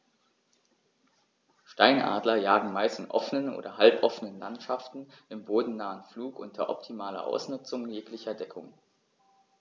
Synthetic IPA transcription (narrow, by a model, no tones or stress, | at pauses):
ʃtaɪnʔa̰ːdlɐjaːɡŋ̩maɪstɪnʔɔ̰fənənʔo̰ːdɐhalpʔɔfənənla̰ntʃaftn̩ʔɪmboːdn̩naːənfluːkʔʊntʰɐ̰ʔɔptʰimaːlɐ̰ʔa̰ʊsnʊt͡sʊŋjeːklɪçɐdɛkʰʊŋ